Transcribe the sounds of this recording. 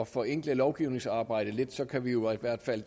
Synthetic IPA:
ɒfɒ̽eŋ̰ɡ̥ləlɒʊɡ̥iʊne̝ŋsɑ̈ːb̥ɑ̈ɪ̰ɾ̥əle̝d̥sɒ̽kʰæʋijo̝id̥ʋæɐ̰d̥fæl̰

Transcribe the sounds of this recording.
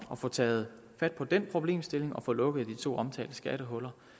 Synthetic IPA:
ɒ̽fɔ̽t͡sʰɛ̰ːð̞̩ˠ | fæd̥̚pʰɒ̽d̥enpʰʁo̝b̥le̝̰ːmsd̥e̝le̝ŋɒ̽fɔ̽ːlɔ̽ɡ̥əð̩ˠd̥it͡sʰo̝̰ːɒ̽mt͡sʰɛ̰ːld̥əsɡ̥æɾ̥əɦɔ̽lɐ

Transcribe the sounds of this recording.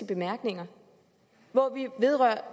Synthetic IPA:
əb̥e̝mæɐɡ̥ne̝ŋɐ | ʋɒʋiʋe̝ðˠʁɶɐ̰

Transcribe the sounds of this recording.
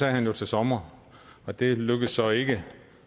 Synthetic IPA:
ɛ̰ːhænjo̝t͡sʰe̝lsɒ̽mɐ | ɒ̽d̥e̝løɡ̥əðsːɒ̽e̝ɡ̥ə

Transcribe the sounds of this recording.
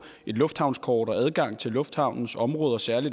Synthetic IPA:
e̝d̥lɔ̽fd̥hɑ̈ʊnskʰɒːɾ̥ɒ̽æð̞ˠɡ̥ɑ̈ŋ̰t͡sʰe̝lːɔ̽fd̥hɑ̈ʊ̰nn̩sɒ̽mʁɔ̽ːðˠɐsæɐlid

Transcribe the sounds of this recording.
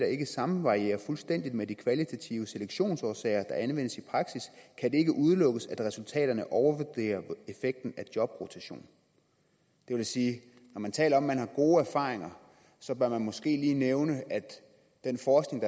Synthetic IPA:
d̥ɑ̈e̝ɡ̥əsɑ̈mn̩ʋɑ̈ʁie̝̰ːɐfulsd̥en̰d̥id̥medikʰʋælit͡sʰæt͡sʰḭʊəse̝leɡ̥ɕo̝̰ːnsɒːsɛ̰ɪɐd̥ɑ̈ʔænʋen̰əsipʰʁɑ̈ɡ̥siskʰæd̥e̝e̝ɡ̥əʔuð̞ˠlɔ̽ɡ̥əsæd̥ʁɛsult͡sʰɛ̰ːɾ̥ɐnəʔɒʊɐʋod̥e̝̰ːɐe̝feɡ̥̚d̥n̩æd̥jɒ̽b̥ʁot͡sʰæɕo̝̰ːn | d̥e̝ʋe̝læsiː | nɒmænt͡sʰɛ̰ːlɐɒ̽mːænhɑ̈ɡ̥o̝ːæɐfɑ̰̈ːʁe̝ŋɐ | sɒ̽b̥ɶɐmænmɒ̽sɡ̥e̝̰ːliːneʊnəʔæd̥ | d̥enfɒːsɡ̥ne̝ŋd̥ɑ

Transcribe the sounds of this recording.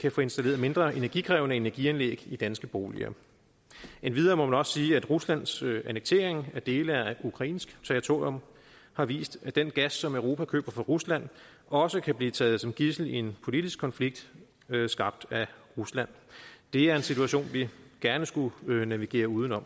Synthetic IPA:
kʰæfɔːe̝nsd̥æle̝ːɐðˠme̝nd̥ʁɐʔe̝næɐɡikʰʁɛːʊnəe̝næɐɡ̥iænlḛːɡ̥id̥ænsɡ̥əb̥o̝ːlḭɐ̰ | enʋið̞ˠɐːmɒ̽mænɒ̽sə̥siːæd̥ʁuslæn̰sæneɡ̥̚t͡sʰe̝̰ːɐ̰eŋæɐd̥e̝ːləæukʰʁɑ̈ḭːnsɡ̥t͡sʰeʁit͡sʰo̝ɐjɔ̽m | hɑ̈ʋḭːsd̥æd̥enɡ̥æsːɒ̽møʊʁo̝ːpʰækʰø̰ːb̥ɐfɒ̽ʁuslæn̰ | ɒ̽səkʰæb̥liːt͡sʰɛ̰ːð̞̩ˠsɒ̽mɡ̥isl̩ie̝npʰo̝lid̥isɡ̥kʰːɒ̽nfliɡ̥̚d̥ | sɡ̥ɑ̈b̥̚d̥æʁuslæn̰d̥e̝æɐe̝nsit͡sʰuæɕo̝̰ːnʋiɡ̥æɐnəsɡ̥unæʋiɡ̥e̝̰ːɐuːð̞ˠən̩ɒ̽m̰

